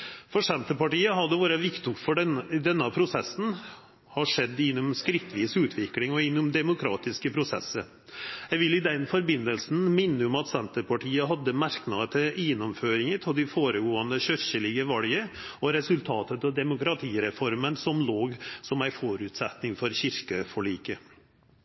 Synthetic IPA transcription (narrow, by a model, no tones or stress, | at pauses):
fɔʂɛnt̪əpɑʈiːəɦɑd̪əʋoːɾəʋɪkt̪ʊkfɔɖd̪ɛnːəpʰɾʊsɛsn̩ | hɑʂɛd̪ːɪnːʊmskɾɪt̪ːʋiːsʉːt̪ʰʋɪklɪŋɔɪnːʊmd̪ɛmʊkʰɾɑ̰ːt̪ɪskəpʰɾʊsɛ̰sːəɾ | jæʋɪlːɪd̪ɛnfɔɾbɪnːəlsn̩mɪnːəɔmɑt̪sɛnt̪əɾpʰɑʈʰiːəɦɑd̪ːəmæɾknɑːd̪ət̪ʰɪlnːʊmføːɾɪŋət̪ʰɪld̪ɪfoːɾəɡoːɑnd̪əçœɾçəlɪɡəʋɑljəɔɾɛsʉlt̪ʰɑːt̪ət̪ɑd̪ɛmʊkɾɑt̪ʰiːɾɛfɔɾmənsɔmloːɡsɔmæɪfɔɾʉt̪sɛt̪nɪŋfɔɾçɪɾkəfɔɭiːkə